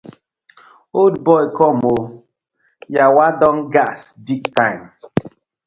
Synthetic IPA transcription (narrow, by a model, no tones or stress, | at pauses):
odbɔjkɔmo | jawadɔŋɡasbiɡ̚tãjm